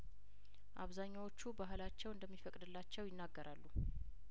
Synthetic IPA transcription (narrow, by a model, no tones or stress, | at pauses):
ʔaβzaɲːawo̞t͡ʃːubaɦɨlat͡ʃːɛwɨnd̪əmːifəkʼd̪ɨlːat͡ʃːɛwjɪnːaɡːəɾʔalːu